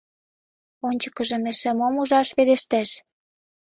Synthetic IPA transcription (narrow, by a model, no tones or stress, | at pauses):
onʲt͡ɕə̥kɤ̆ʒɤ̆meʃĕmomuʒɑʃβeɾeʃt̪eʃ